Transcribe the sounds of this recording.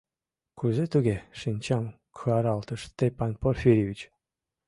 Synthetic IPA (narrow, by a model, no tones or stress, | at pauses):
kuzet̪uɣeʃinʲt͡ɕɑm | kʰɯɑɾɑlt̪ə̆ʃst̪epɑnporfʲiɾʲivʲit͡ɕ